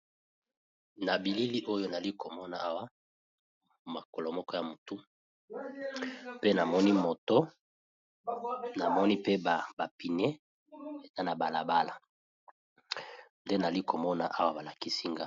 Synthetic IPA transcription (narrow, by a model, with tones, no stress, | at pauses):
na˨bi˨li˦li˦ʔo˦jo˦na˨li˦ko˨mɔ˦na˨a˦wa˦ | ma˨ko˨lo˨mɔ˦kɔ˦ja˨mo˨tu˦ | pe˦na˨mɔ˦ni˦mo˨to˦ | na˨mɔ˦ni˦pe˦ba˨ba˨pi˨ne˦ | e˨za˦na˨ba˨la˨ba˦la˨ | nde˦na˨li˦ko˨mɔ˦na˨ʔa˦wa˦ba˨la˨ki˦si˦ŋɡa˦